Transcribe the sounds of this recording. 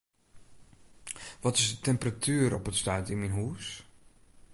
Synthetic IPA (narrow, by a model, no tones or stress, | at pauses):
ʋɔtɪsətɛmpratʰyəɾɔpətstœːtɪnminɦuːs